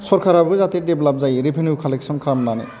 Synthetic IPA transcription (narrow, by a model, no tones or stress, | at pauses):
sɔɾkʰaɾabzat̪edeblɔp̚zajɾebʱenjukʰɔleksɔnkʰamnana̰